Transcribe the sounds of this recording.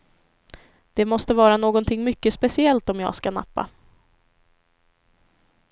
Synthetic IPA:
d̪̥ɛmɔst̪əvɑːɾanoːɡɔnt̪ʰɪŋːmʏkːəspɛsɪɛlt̪ɔmjɑ̰ːɡskana̰pːa̰

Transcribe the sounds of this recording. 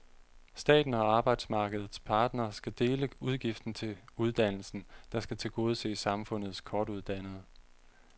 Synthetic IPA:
sd̥ɛ̰ːd̥n̩ɒ̽ɑ̈ːb̥ɑ̈ɪd̥smɑ̈ːɡ̥əð̞ˠð̩ˠspʰɑ̈ːd̥nɐːsɡ̥æd̥e̝ːləuð̞ˠɡ̥ifd̥n̩t͡sʰe̝uð̞ˠd̥æn̰l̩sn̩d̥ɑ̈sɡ̥æt͡sʰe̝lɡ̥o̝ːð̞̩ˠse̝̰ːsɑ̈mfɔ̽n̰ð̞̩ˠskʰɒːd̥uð̞ˠd̥æn̰ð̩ˠ

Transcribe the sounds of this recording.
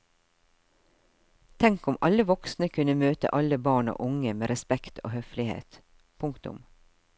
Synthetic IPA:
t̪ʰɛŋkʊmɑləʋɔksnəkʰʉnəmøːt̪ə̰ʔɑləbɑːɳo̰ːʔʊŋəmeːɾɛspɛkt̪ʰo̰ːhœflɪhḛːt̪ | pʰʊŋkt̪ʊ̰m

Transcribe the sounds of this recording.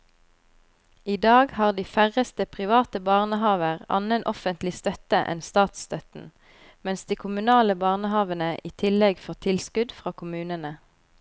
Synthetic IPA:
iːd̪ɑːɡhɑːʁd̪iːfæʁəst̪əpʰʁɪʋɑːt̪əbɑːʁnəhɑːʋəʁɑ̰nənʔɔfənt̪lɪst̪œt̪əʔɛ̰nst̪ɑːt̪st̪œt̪n̩ | mɛnsd̪̥iːkʰʊmʉnɑːləbɑːʁnəhɑːʋənəʔiːt̪ʰɪlɛɡfɔːʁt̪ʰɪlskʉd̪fʁɑːkʰʊmʉːnənə

